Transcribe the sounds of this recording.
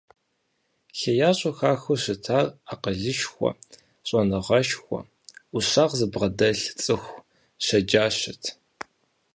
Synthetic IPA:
xejaːɕʼɐxaːxuɕɨtʰaːraqəɮɨʃxʷɔ̰ | ɕʼɐnɨʁɐʃxʷɔ̰ | uɕaːʁzɨbʁɐdɐɬt͡sʼɨxʷ | ɕɐd͡ʒaːɕɪtʰ

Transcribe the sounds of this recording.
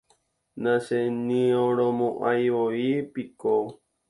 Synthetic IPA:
nãsenĩõɾõmõʔajʋoipiko

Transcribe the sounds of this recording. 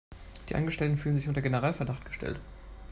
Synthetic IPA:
d̥iːʔa̰nɡəʃtɛltn̩fyːlənzɪçʊntɐɡenəʁaːlfɛɐdaχtɡ̥ə̥ʃtɛ̰lt

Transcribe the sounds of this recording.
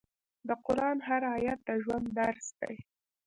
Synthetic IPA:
d̪əqʊɾɑnɦaɾajat̪̚d̪əʒwand̪ːaɾsd̪a̰j

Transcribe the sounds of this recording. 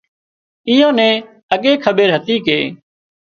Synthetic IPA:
ɪjõːnɛ̃ː | əɠeːkʰəɓeːɾɦət̪iːkeː

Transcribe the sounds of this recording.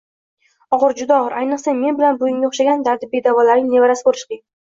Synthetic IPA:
ɒʁɨɾd͡ʒʊd̪aɒʁɨɾʔajnɨqsame̞nbɪlanbʊjɪmɡʲaoχʃaɡʲand̪aɾd̪ɪbed̪avɒlaɾɪŋne̞vaɾasbolɪʃqe

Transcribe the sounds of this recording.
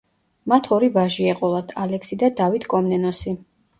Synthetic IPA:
mat̪ʰɔɾivaʒiɛqʼɔlˠad̪ʰalɛksid̪ad̪avit̪ʰkʼɔmnɛnɔsi

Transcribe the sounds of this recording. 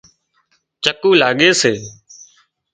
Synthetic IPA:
t͡ʃəkũːlaːɠeːseː

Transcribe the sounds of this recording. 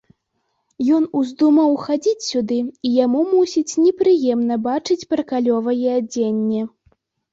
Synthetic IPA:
jɔnuzd̪umɐwxad͡zʲit͡sʲsʲud̪ɨijamumusʲit͡sʲnʲɛpɾɨjɛmnɐbat͡ʂɨt͡sʲpɾɐkalʲɔvɐjɛad͡zʲenʲːɛ

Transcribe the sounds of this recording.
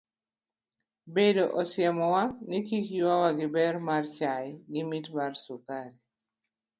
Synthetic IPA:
bedoʔɔsjɛmɔwanikikjwawaɡɪbɛrmart͡ʃajɡɪmitmarsukaɾi

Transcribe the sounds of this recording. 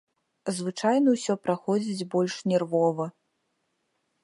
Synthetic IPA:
zvɨt͡ʂajnɐwsʲɔpɾaxɔd͡zʲid͡zʲbɔlʲʂnʲɛrvɔvɐ

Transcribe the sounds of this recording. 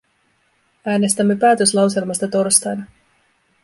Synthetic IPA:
æːne̞st̪æmːe̞pæːt̪ø̞slɑwse̞lmɑst̪ɑt̪o̞rst̪ɑjnɑ

